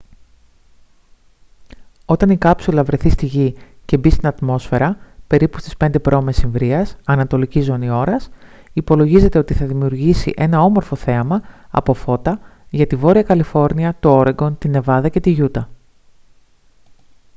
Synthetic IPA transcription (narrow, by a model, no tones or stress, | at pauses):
o̞t̪ɐnikɐpsulɐvɾe̞θist̪iʝice̞bist̪inɐt̪mo̞sfe̞ɾɐpe̞ɾipust̪i̥spe̞nd̪e̞pɾo̞mesiɱvɾiɐsɐnɐt̪o̞licizo̞nio̞ɾɐs | ipo̞lo̞ʝize̞t̪e̞o̞t̪iθɐðimiuɾʝisḭʔe̞nɐo̞mo̞ɾfo̞θe̞ɐmɐɐ̰po̞fo̞t̪ɐʝɐt̪ivo̞ɾiɐkɐlifo̞ɾniɐt̪oo̞ɾe̞ɡo̞nt̪ine̞vɐðɐce̞t̪iʝut̪ɐ